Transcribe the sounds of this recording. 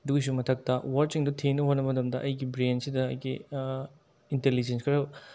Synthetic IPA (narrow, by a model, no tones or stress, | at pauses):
duksumɐtʰɐk̚tɐwaɾt͡ʃiŋdutʰenɐɦotnɐbɐmɐtɐmdɐʔɐjɡibɾensidɐ̰ːjɡi | intelid͡ʒenskʰɐɾɐ